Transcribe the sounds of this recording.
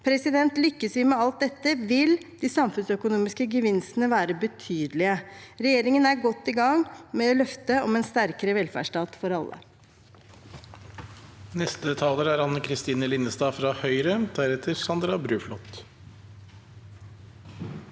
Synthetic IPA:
pʰɾɛsɪd̪ɛnt̪lʏkːəsʋɪmɛɑlt̪̚d̪ɛt̪ːəʋɪld̪iːsɑmfʉnsœkʊnuːmɪskəɡəʋɪnsənəʋæːɾəbət̪ʰyːd̪lɪəɾɛjeːɾɪŋənæɾɡɔt̪ːɪɡɑŋmɛɔlœft̪əɔmɛːnst̪æɾkəɾəʋɛlfæ̰ːʂʈɑːt̪fɔɾɑlːə̰ | nɛst̪ət̪ʰɑːləɾæːɾɑnəkʰɾɪst̪iːnəlɪnːəst̪ɑːfɾɑhœʏɾəd̪æɾɛt̪ʰəɾsɑnd̪ɾɑbɾʉːflɔt̪

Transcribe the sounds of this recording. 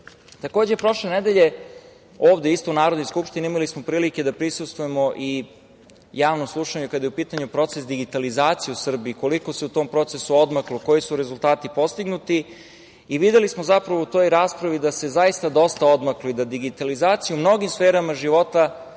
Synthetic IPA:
t̪ako̞ːd͡ʑepɾo̞ʃle̞nɛd̪e̞ʎe̞ | oːʋd̪eist̪ounaːɾod̪noskupʃt̪ineimalismo̞pɾiːlike̞d̪apɾisust̪vujemo̞ʔi | jaːʋnomslˠuʃaɲukad̪ajeupiːt̪aɲupɾo̞t̪sesd̪iɡit̪alizaːt̪sijeusr̩biːko̞liko̞se̞ut̪o̞ːmpɾo̞t̪sesuod̪makloko̞jisuɾe̞zulˠt̪aːt̪ipo̞st̪iɡnut̪i | iʋid̪e̞lismozapɾaʋout̪o̞ːjɾaːspɾaʋid̪ase̞zajist̪ad̪o̞st̪aod̪maklid̪ad̪iɡit̪alizaːt̪sijumno̞ɡimsfeːɾamaʒiʋo̞t̪a

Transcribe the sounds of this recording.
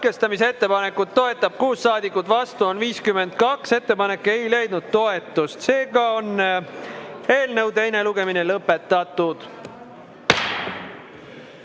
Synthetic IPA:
kest̪ɑmise̞t̪ːe̞pɑne̞kːˑut̪ːo̞e̞t̪ːˑɑb̥̚kuːsːɑːd̪ikːˑut̪ːˑvɑst̪uo̞nviːskyme̞nd̪̥̚kɑkse̞t̪ːe̞pɑne̞kːee̞jle̞jd̪̥̚nud̪̥̚t̪o̞e̞t̪ːˑust̪se̞ːɡɑo̞n | e̞ːlnəwt̪e̞jne̞luɡ̥e̞minelɤpːˑe̞t̪ːˑɑt̪ːˑud̪̥

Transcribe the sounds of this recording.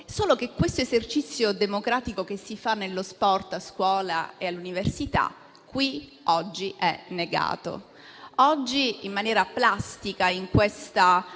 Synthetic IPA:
soːlokekːwest̪oezert͡ʃit̪sːjod̪emokɾaːt̪ikok̟esːifanːelːospɔrt̪askwɔːla̰ealːuniversit̪a̰ | kːwi | ɔd͡ʒːiʔɛ̰nːeɡa̰ːt̪o̰ | ɔd͡ʒːiːmːanjɛːɾaplast̪ikaiŋkwest̪a

